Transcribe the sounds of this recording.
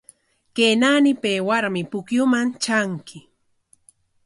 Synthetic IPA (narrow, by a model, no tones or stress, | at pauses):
kenanɪpeːwaɾmɪpʊkjʊmant͡ʃaŋkʰɪ